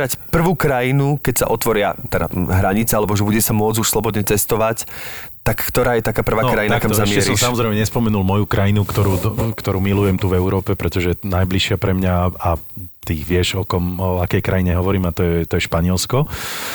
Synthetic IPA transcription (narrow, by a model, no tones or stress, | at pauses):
ɾacpr̩ʋuːkɾajinukɛcsa̰ʔɔt̪ʋɔɾɪat̪ɛda̰ɦɾaɲit͡sɛalɛbɔʒɛbuɟɛsamʊɔd͡zuʃslɔbɔd̪ɲɛt͡sɛst̪ɔʋact̪akːt̪ɔɾaːjɛt̪akaːpr̩ʋaːnkɾajinakamzzammɪɛɛsɾɔmsamɔzɾɛɪmɛɲɛspɔmɛnulmɔjukɾajinukt̪ɔɾuːkt̪ɔɾuːmilujɛmt̪uvɛʊɾɔːpɛpɾɛt̪ɔʒɛnajbliʃɪapɾɛmɲaat̪iːʋɪɛʒɔkɔmɔakɛjkɾajiɲɛɦɔʋɔɾiːmat̪ɔjɛt̪ɔjɛʃpaɲɪɛlskɔ